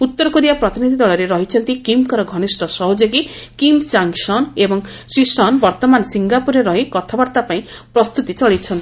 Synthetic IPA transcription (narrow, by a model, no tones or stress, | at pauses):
ut̪ːɔɾɔkud̪ijapɾɔt̪inid̪ʱid̪ɔɭɔɾeɾɔɦit͡ʃʰɔnt̪ikimkɔɾɔɡʱɔnisʈʰɔsɔɦod͡ʒoɡikimt͡ʃaŋsɔnebɔŋsisɔnbɔɾt̪ɔmansiŋɡapuɾeɾɔɦikɔt̪ʰabaɾt̪apaĩpɾɔst̪ut̪it͡ʃɔɭit͡ʃʰɔnt̪ii